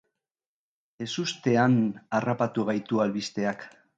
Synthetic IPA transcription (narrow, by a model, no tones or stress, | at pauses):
e̞sust̪e̞anarapat̪uɣ̞ajt̪ualβist̪e̞ak